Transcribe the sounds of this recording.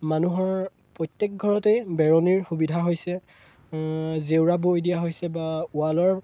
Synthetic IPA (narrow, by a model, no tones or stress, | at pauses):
manuɦɔɹ | pɹɔjtːjɛk̚ɡʱɔɹɔtejbɛɹɔniɹxubidʱaɦojsɛ | zewɹabojdijaɦojsɛbaualɔɹ